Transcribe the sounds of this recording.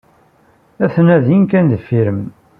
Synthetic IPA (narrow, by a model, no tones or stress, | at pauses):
æθnæðinkænd̪əfiɾəm